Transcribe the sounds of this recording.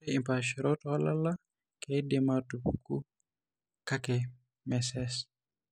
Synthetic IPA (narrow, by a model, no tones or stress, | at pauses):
eimpaʃiɾotalala | kedematupuku | kake | mɛsɛs